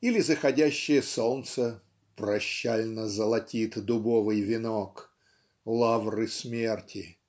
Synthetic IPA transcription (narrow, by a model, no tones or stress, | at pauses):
ilʲɪzəxɐdʲæɕːɪjəsolˠnt̪sə | pɾɐɕːælʲnəzəlˠɐtʲit̪d̪ʊbovɨjvʲɪnok | lˠavrɨsmʲertʲɪ